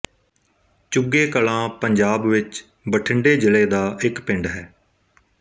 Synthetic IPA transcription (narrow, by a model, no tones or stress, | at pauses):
t͡ʃʊɡeːkəlãːpəɲd͡ʒaːbʋɪt͡ʃ | bəʈʰɪɳɖeːd͡ʒɪleːd̪aːʔɪkpɪ̃ɳɖɦɛː